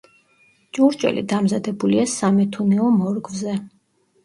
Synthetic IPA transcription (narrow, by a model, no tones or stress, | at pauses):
t͡ʃʼuɾt͡ʃʼwɛ̰lḭd̪amzad̪ɛbuliasamɛt̪ʰunɛɔmɔɾɡvzɛ